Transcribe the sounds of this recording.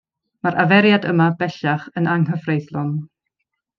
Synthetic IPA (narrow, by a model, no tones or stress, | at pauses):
maɾʔavɛɾjadəmabɛɬaχənaŋɦəvrejθlˠɔn